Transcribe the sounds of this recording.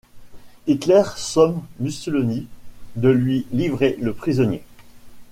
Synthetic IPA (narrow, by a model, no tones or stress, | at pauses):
it̪lɛʁsɔmːysylɔnid̪əlɥilivʁeləpχizɔnje